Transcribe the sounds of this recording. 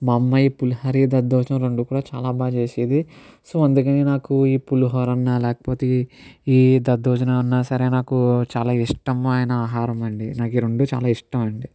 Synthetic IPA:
mɐmːɐjpuluɦɐɾid̪ɐd̪ːɔːt͡ʃɐnɐmɾeɳɖukuːɽaːt͡ʃaːlaːbaːd͡ʒeːsid̪isoːɐnd̪ukɐniːnaːkuiːpuluɦɐɾɐnːalɛːkɐ̥poːt̪eiːd̪ɐd̪oːd͡ʒɐnɐunːasɐɾeːnaːkut͡ʃaːlaːiʂʈɐmɐjnɐaːɦaːɾɐmɐɳɖinaːkiːɾeɳɖuːt͡ʃa̰ːlaːiʂʈɐmɐɳɖi

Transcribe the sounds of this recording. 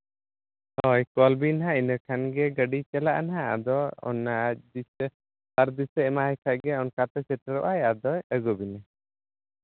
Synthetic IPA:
hɔjkɔlbinɦãinəkʰanɡɛɡəɖit͡ʃɛlaʔanɦãa̰d̪ɔɔ̰nːad͡ʒisə | t̪aɾd̪isɛɛmahɛjkʰaʔɡɛɔnkat̪ɛsɛʈəɾɔʔajad̪ɔjəɡɔbinɛ

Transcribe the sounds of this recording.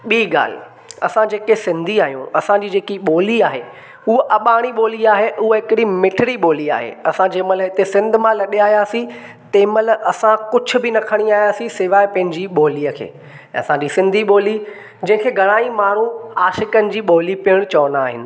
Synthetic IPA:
ɓiːɡa̰ːl̤ɪ̰ | ɐ̰sãd͡ʑeːkesɪ̃nd̪ʱiaːɦijṵ̃ɐsãd͡ʑiːd͡ʑeːkiɓoːliaːɦe | uɦʔɐɓaːɽ̃iɓoːliaːɦeʔʊɦɦɪkɪɽimɪʈʰɪɽiɓoːlia̰ːɦḛɐsãd͡ʑeːməlɦɪt̪esɪ̃nd̪ʱʊ̆mãlɐɗiaːɦijaːsĩ | t̪eːməlɐsãkʊd͡ʑʱʊ̆bɪnɐkʰəɽ̃iaːɦijaːsĩsɪʋaːɪpɐ̃ɦɪ̃ɲd͡ʑiɓoːliːəkʰḛ̃ː | ɐ̰sãd͡ʑisɪ̃nd̪ʱiɓoːli | d͡ʑɐ̃ɦɪ̃kʰeːɡʱɐɽ̃aːimaːɽ̤̃ũaːʃɪkənɪ̆d͡ʑiːɓoːlipiəɽ̃t͡ɕɐʋnaːɦɪ̰nɪ̆

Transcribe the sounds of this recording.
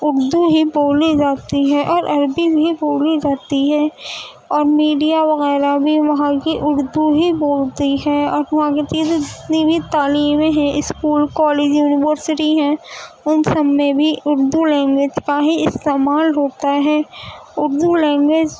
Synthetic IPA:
ʊɾd̪ubʱiboːlid͡ʒaːt̪iɦɛʔɔːɾʔɐɾbibʱiboːlid͡ʒaːt̪iɦɛː | ɔːɾmiːɖijaʋɐɣɛːɾabʱiʋɐɦãkiʔʊɾd̪ubʱiboːlt̪iɦɛɔːɾʋɐɦãket̪iet̪od͡ʒɪt̪nibʱit̪aːliːmeɦɛ̃ʔɪskuːlkɔːleːd͡ʒjuːnɪʋəɾsɪʈiɦɛ̃ | ʊnsɐbmẽbʱiʔʊɾd̪ulɛ̃ːŋɡʋeːd͡ʒkaɦiɪst̪eːmaːlɦoːt̪aɦɛːʊɾd̪ulɛ̃ːŋɡweːd͡ʒ

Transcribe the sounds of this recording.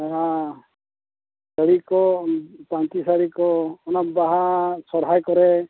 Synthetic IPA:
a | səɽikɔpant͡ʃisaɽikɔːnɔbaɦasɔɾɦajkɔɾɛ

